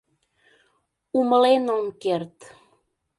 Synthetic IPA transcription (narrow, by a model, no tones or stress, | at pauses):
uməlenomkert̪